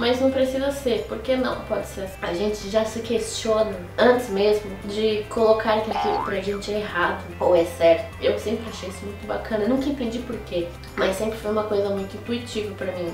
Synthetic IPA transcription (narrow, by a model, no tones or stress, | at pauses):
mɐzznɐ̃w̃pɾesizɐseɾpoɾkenɐ̰̃w̃pɔd͡ʒɪseɾasɐʒẽnt͡ʃɪʒasɪkeʃt͡ʃiõnɐ | ɐ̃t͡ʃɪzmezmʊd͡ʒɪkʰolokaɾɐkit̪ud̪ʊpɾɐʒẽnt͡ʃɪɛeɦad̪ʊowɛsɛɾt̪ʊewsẽmpɾɪaʃejisʊmũj̃t̪ʊbakʰɐ̃nɐnũkɐẽnt̪ẽnd͡ʒipoɾke | mɐsːẽmpɾɪfojũmɐkojzɐmũj̃t̪ʊĩnt̪uit͡ʃivɐpɾɐmĩ